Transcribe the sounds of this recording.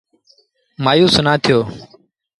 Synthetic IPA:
maːjũːsʊnãːt̪ʰɪjoː

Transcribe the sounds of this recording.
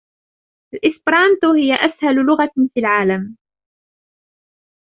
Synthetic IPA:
ʔalʔɪsbɾˤɑnt̪ʊhɪjaʔashallʊɣafilʕaːlam

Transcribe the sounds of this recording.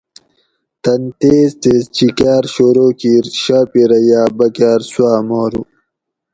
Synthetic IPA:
t̪ɐnt̪eːzt̪est͡ɕikaːɾɕoːɾoːkiːɾɕaːpiɾɐjaːbɐkaːɾswaːmoːɾu

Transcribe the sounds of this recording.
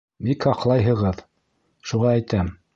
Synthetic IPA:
bikhɑqlˠɑjɦɤ̆ʁɤð | ʃuʁɑæjt̪æm

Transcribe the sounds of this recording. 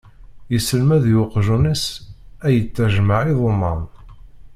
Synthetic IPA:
jəsəlmæðjʊqʒunisæjət͡sːæʒmaʕiðˤomːɑ̰m

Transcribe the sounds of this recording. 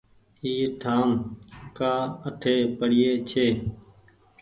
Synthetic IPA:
iːʈʰaːmkaːəʈʰeːpəɽɪjeːt͡ʃʰeː

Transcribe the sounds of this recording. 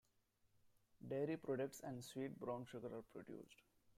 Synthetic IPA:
ɖeːɾipɾɔːɖək̚ʈsɛ̃ɳɖsʋiːʈ̚bɾãʊ̃nʃʊɡəɾaːɾpɾo̰ɖjṵːsɖ

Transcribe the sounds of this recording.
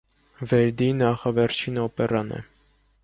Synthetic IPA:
vɛɾd̪inɑχɑvɛɾt͡ʃʰinɔpɛrɑnɛ̰

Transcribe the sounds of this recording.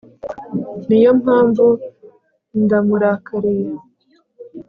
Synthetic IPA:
nijomhaːɱvu | ndamuɾakaɾeɾ

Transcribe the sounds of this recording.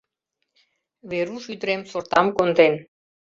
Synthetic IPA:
βeɾuʃyd̪əɾemsort̪ɑmkond̪en

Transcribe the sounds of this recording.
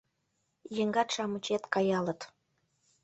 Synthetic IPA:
jəŋɡɑt̪ʃɑmət͡ɕet̪kɑjɑlə̆t̪

